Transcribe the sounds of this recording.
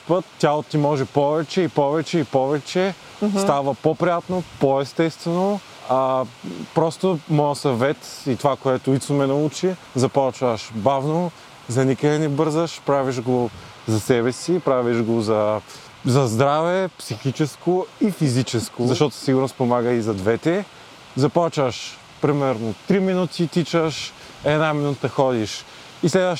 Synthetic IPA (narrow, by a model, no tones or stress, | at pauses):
pət̪tʲːalˠot̪t̪imɔʒɛpɔvɛt͡ʃɛipɔvɛt͡ʃɛipɔvɛt͡ʃɛ | st̪avəpopɾijat̪nopoɛst̪ɛst̪vɛno | apɾɔst̪omɔjɐsɐvɛt̪it̪ovakoɛt̪ʊit̪somɛnɐut͡ʃi | zɐpɔt͡ʃvəʃbavno | zɐnikəɛnɛbɤɾzəʃpɾaviʒɡo | zɐsɛβɛsipɾaviʃɡozɐ | zɐzd̪ɾavɛpsixit͡ʃɛskoifizit͡ʃɛskozɐʃt̪ɔt̪ʊ̥siɡʊɾnospomaɡəizɐd̪vɛt̪ɛ | zɐpɔt͡ʃvəʃ | pɾimɛɾnot̪ɾiminut̪it̪it͡ʃəʃ | ɛnaminut̪əxɔd̪iʃ | islɛd̪əʃ